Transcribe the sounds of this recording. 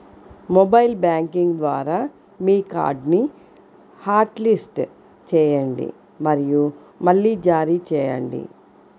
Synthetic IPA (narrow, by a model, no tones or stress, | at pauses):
mobɐjlbjaːŋkiŋɡd̪ʋa̰ːɾaː | miːka̰ːɾɖni | haːɾʈlisʈ | t͡ʃɛːjɐɳɖḭ | mɐɾiju | mɐɭːid͡ʒaːɾit͡ʃɛːjɐ̰ɳɖḭ